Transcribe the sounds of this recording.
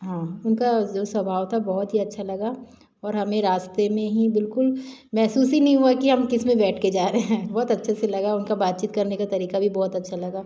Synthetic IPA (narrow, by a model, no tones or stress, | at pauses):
ɦãːʊnkad͡ʒoːswɐbʱaːʋt̪ʰabɔːɦt̪ɦiɐtːʃʰalɐɡa | ɔːɾɦɐmẽɾaːst̪emẽɦibɪlkʊlmɛɦsuːsinɐɦĩɦuakiɦɐmkɪsmẽbɛːʈʰked͡ʒaːɾeɦɦɛ̃ːbɔːt̪ɐtːʃʰeselɐɡaʊnkabaːt̪̚t͡ʃiːt̪kɐɾnekat̪ɐɾiːkabʱibɔːt̪ɐtːʃʰalɐɡaː